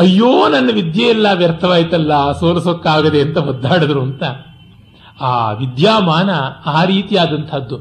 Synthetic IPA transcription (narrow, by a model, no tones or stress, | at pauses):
ɐjːoːnɐnːɐʋid̪jɐjilːaːʋjɐɾt̪ʰɐʋaːjit̪ɐlːɐsoːlɐsokːaːɡɐd̪eɐnt̪ɐɦɔd̪ʱːaːɽɐd̪ɾuɐnt̪ɐ | aːʋid̪jaːmaːnɐaːɾiːt̪ijaːd̪ɐnt̪ʰɐd̪ːu